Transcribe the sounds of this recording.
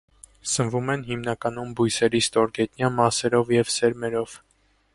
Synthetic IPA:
sənvumɛnɦimnɑkɑn̪umbujsɛɾist̪ɔɾɡɛt̪njɑmɑsɛɾɔvjɛvsɛɾmɛɾɔv̥

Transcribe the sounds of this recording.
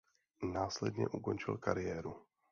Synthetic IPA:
naːslɛdɲɛ̰ʔuko̞nt͡ʃɪ̰lkaɾɪjɛːɾu

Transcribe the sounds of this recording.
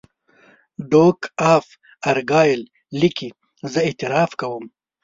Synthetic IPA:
ɖoːkaːf | ɐɾɡaːjil | liki | zɐet̪iɾaːfkɐwum

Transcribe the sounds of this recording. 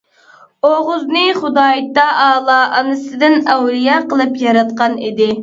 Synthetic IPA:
oʁʊznɨχʊd̪ɑːjit̪ːɑʔɑːlˠɑʔɑnɨsɨd̪ɪnæwlijɛqəlˠɨpjɑɾɑt̪̚qɑnid̪ɪ

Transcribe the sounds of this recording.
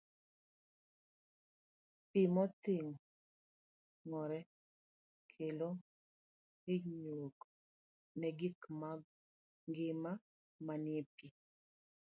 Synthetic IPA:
pimɔt̪ɪŋ | ŋɔɾɛ | kʰelo | eɲok | nɛɡɪkmaɡ | ŋɡɪma | manepi

